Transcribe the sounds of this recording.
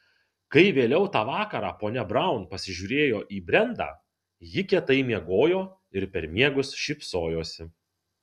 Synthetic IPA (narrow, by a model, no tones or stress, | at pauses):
kɐɪʋʲeːlʲɛʊt̪ɑːʋɑːkɐɾɑːpoːnʲɛbɾɑˑʊnpɐsʲɪʒʲuːɾʲeːjoːʔiːbʲɾʲɛnd̪ɑ̰ː | jɪkʲɛt̪ɐɪmʲiɛɡoːjoː | ɪɾpʲɛɾmʲiɛɡʊsʃʲɪpsoːjoːsʲɪ